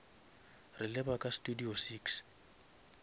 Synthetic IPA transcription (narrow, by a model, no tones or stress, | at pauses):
rɪlɪbakʼastudiosiːks